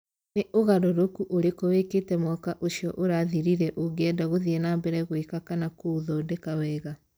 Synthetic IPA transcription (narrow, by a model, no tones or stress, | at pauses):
neʔoɣaɾɔɾokuʔoɾekoweketɛmwɔkaʔoʃiɔʔoɾaðiɾiɾɛʔoɡɛdaɣoðiɛnambɛɾɛɣoekakanakouðɔdɛkawɛːɣa